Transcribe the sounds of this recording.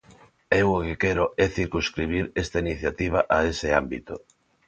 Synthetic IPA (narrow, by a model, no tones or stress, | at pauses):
ɛwokekɛɾoɛθiɾkuskɾiβ̞iɾest̪ainiθjat̪iβ̞aʔaesɪambit̪o